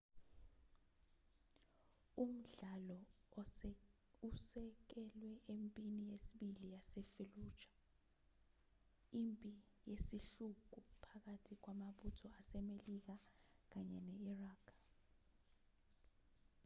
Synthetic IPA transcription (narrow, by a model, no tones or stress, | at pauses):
um̩ɮalɔ | usɛk̬ɛlwɛʔempʼinijesiɓilijasɛfelu̥ːt͡ʃʰʼḁ | impʼi | jesiɬuk̬ʼupʰak̬atʰik̬wamaɓutʰɔasɛmelik̬ak̬aɲɛnɛiraːkʰ